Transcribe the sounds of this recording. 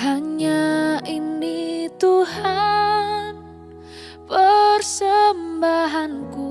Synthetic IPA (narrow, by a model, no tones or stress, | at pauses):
aɲaʔinit̪uha | n | pərsəmbaɦanku